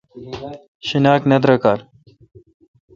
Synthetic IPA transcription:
ɕinaːknɐd̪ɾɐkaːɾ

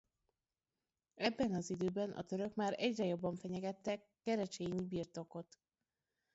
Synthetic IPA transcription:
ɛbːɛnɒzid̪øːbɛnʔɒ̰t̪øɾø̞kmaːɾɛɟrɛjo̞bːɒɱfɛɲɛɡɛt̪ːɛ | kːɛɾɛt͡ʃeːɲibiːrt̪o̞ko̞t̪

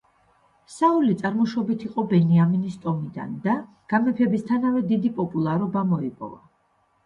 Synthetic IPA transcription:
saulit̪sʼaɾmɔʃɔbit̪ʰiqʼɔbɛniaminist̪ʼɔmid̪a̰nd̪a | ɡ̥amɛpʰɛbist̪ʰanavɛd̪id̪ipʼɔpʼulˠaɾɔbamɔipʼɔ̰va̰

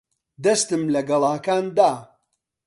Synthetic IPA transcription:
d̪ɐst̪ɨmlɐɡɐlˠaːkaːnd̪aː

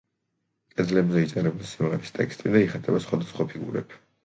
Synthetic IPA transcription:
kʼɛd̪zlɛbzɛit̪sʼɛɾɛbulisimʁɛɾist̪ʼɛkʰst̪ʼid̪aiχat̪ʼɛbasχwad̪asχwapʰiɡṵɾɛ̰p

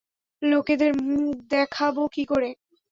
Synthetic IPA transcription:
loked̪eɾmud̪ɛkʰabokikoɾe

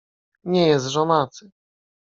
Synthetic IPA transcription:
ɲɛjɛst̪ʐɔmat̪sɘ

